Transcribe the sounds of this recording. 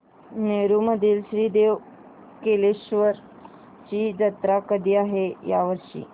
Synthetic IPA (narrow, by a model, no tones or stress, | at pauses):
neɾuməd̪ʱiːlɕɾiːd̪eʋ | keleɕʋəɾ | t͡ɕiːd͡ʑət̪ɾakəd̪iːaɦejaʋəɾʂḭː